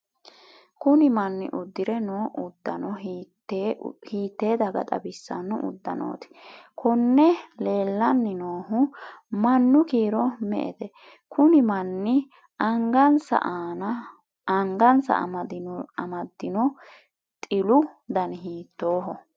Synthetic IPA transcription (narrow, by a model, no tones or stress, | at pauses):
kʊnɪmɐnːɪ̰ʔʊd̪ːɪɾɛnoːʔʊd̪ːɐnɔ | hiːt̪ːe̞ːd̪ɐɡɐ̰t̪ʼɐ̰bɪsːɐ̰nːʊʔʊ̰d̪ːɐ̰no̰ːt̪ɪ̥kʰɔnːɛle̞ːlːɐnːɪnoːhʊmɐnːʊkiːɾɔmɛ̰ʔɛ̰d̪ɛ | kʰʊnɪmɐnːɪ | ɐŋɡɐnsɐ̰ʔaːnɐ | ɐŋɡɐnsɐ̰md̪ɐmɐd̪ːɪnɔ | t̪ʼɪlʊd̪ɐnɦiːt̪ːoːɦɔ